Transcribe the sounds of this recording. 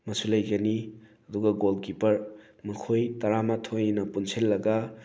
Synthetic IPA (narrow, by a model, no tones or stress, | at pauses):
mɐsulɐjɡɐniɐduɡɐɡolkipɐɾ | mɐkʰojtɐɾamatʰojnɐpunsʰelːɐɡɐ